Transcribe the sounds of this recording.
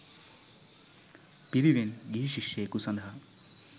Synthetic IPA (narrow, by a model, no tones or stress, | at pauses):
piɾiʋenɡiɦiʃiʃjejkusɐnd̪ʱɦɐ